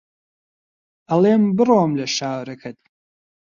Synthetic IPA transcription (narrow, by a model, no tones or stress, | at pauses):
ɐlˠeːmbɨroːmlɐʃaːwɾɐkʰɐt̪̚